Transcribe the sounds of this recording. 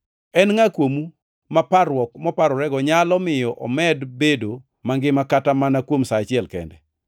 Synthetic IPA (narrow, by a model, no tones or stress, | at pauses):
ɛnŋakwomu | mapaɾɔkmɔpaɾɔɾɛɡɔɲalɔmɪjɔʔɔ̰mɛdbedo | maŋɡɪmakatamanakwomsaːt͡ʃɪɛlkɛ̰ndɛ